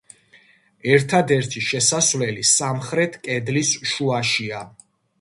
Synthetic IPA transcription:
ɛɾt̪ʰad̪ɛɾt̪ʰiʃɛsasvlɛlisamχɾɛt̪ʰkʼɛd̪lisʃuaʃia

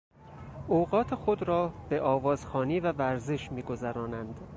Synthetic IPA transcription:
oɣɒːt̪ʰexo̞d̪ɾɒːb̥e̞ʔɒːvɒːzxɒːniːvævæɾzeʃmiːɡo̞zæɾɒːnænd̪̥

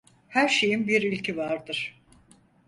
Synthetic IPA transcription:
hæɾʃe̞jinbiɾilʲcʰivaɾd̪ɯɾ̥

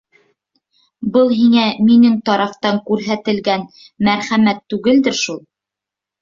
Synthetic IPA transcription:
bɤlˠɦiŋæminɘŋt̪ɑɾɑft̪ɑŋkʉɾɦæt̪ɘ̆lɡæn | mæɾχæmæt̪ːʉɡɘld̪ɘɾʃulˠ

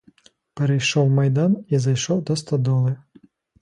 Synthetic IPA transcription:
pɛɾɛjʃɔwmɐjd̪anizɐjʃɔwd̪ɔst̪ɐd̪ɔlˠɨ

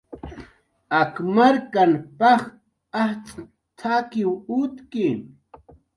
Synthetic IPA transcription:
akmaɾkanpaχ | aht͡sʼ | t̪ʰakɪwut̪kɪn

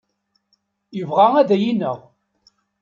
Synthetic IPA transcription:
jəvʁaæðæjinəʁ

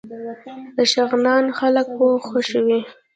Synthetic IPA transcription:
d̪əʃaɣnɑnxaləkwoxəʃwi

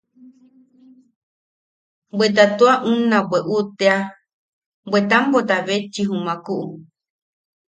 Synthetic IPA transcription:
bʷwet̪̬at̪oaʔũnãweʔut̪ea | bʷet̪ambot̪aβet͡ʃiɦũmãkuʔu

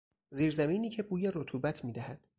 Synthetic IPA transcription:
ziːɾzæmiːniːcʰe̞buːjeɾot̪ʰuːbæt̪ʰmiːd̪æhæd̪̥

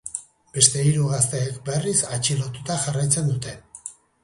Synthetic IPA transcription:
be̞st̪e̞iɾuɣast̪eːkbe̞risat͡ʃilo̞t̪ut̪aʝarajt͡se̞nd̪ut̪e̞

